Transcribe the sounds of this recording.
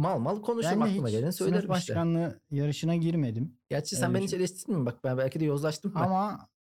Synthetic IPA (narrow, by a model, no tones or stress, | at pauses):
malˠmalˠkʰo̞nuʃæunɛiɯmaɟelʲenisøjlʲɾimbaʃkanlˠɯjaɾɯʃɯnaɟiɾme̞d̪imɟæɾt͡ʃt͡ʃʰɛsænbe̞nit͡ʃʰelʲɛʃt̪ʰiɾd̪ʲimbak̚bænbælʲcʰid̪ɛjo̞zlˠaʃt̪ʰɯmama